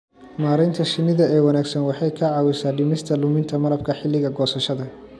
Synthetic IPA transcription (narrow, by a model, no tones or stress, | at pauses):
maːɾɛjnt̪ʰɐʃɪnɪðɐɛːwɐnaːɡsɐnwɑħɑjkʰɐʕɑːwɛsaːɖɪmɪst̪ʰɐlʊmɪnt̪ʰɐmɐɾɐb̚kʰɐħɪlːɪɣɐɡɔːsɐʃɐðɐ